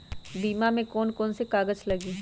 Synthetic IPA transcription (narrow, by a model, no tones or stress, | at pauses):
biːmamẽkɔːnkɔːnsekaːɡəd͡ʒlɐɡiː